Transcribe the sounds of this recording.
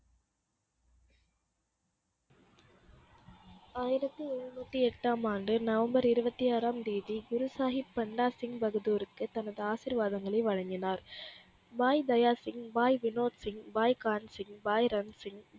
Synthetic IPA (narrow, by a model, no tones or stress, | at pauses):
aːjɪɾɐt̪ːɯɔɻːɯnuːt̪ːiɛʈːaːmaːnɖɯnɐʋɐmbɐɾɪɾɯbɐt̪ːijaːɾaːmd̪iːðiɡʊɾʊsaːɣɪpːɐɳɖaːsɪŋbɐɣɯðuːɾɯkːɯt̪ːɐnɐðɯaːsɪɾʋaːðɐŋɡɐɭɐɪʋɐɻɐŋɡɪnaːɾ | baːjd̪ɐjaːsɪŋbaːjʋɪnoːʈ̪sɪŋbaːjkaːnsɪŋbaːjɾɐnsɪŋ